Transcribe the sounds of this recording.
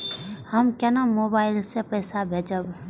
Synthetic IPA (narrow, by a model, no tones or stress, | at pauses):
həmkɐnamoːbaːɪlsepəːsabʱeːd͡ʒəb